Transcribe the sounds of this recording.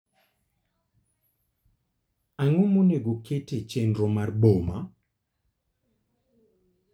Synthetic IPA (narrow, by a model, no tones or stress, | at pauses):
aŋomoneɡoketet͡ʃendɾomarboma̰